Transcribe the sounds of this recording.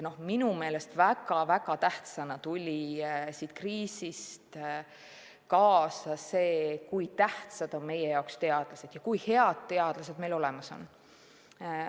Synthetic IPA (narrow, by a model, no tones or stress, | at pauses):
no̞hminume̞ːle̞st̪væɡɑvæɡ̥ɑt̪æht̪sɑnɑt̪ulʲisiːt̪kriːsist̪ | kɑːsɑse̞ːkujt̪æht̪sɑd̪̥o̞nme̞je̞jɑowkst̪e̞ɑd̪̥lɑse̞d̪̥jɑkujhe̞ɑd̪̥̚t̪ːe̞ɑd̪̥lɑse̞d̪̚melo̞le̞mɑso̞̰n